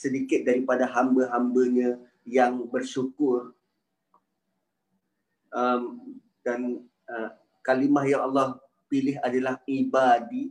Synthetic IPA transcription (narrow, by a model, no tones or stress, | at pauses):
sədikɪt̪̚daɾipadaɦambəɦambəɲə̃ | jaŋbərsukʊr | ʔəm | dan | ə | kalimahjaŋalːɔh | pilɪɦadalahibadi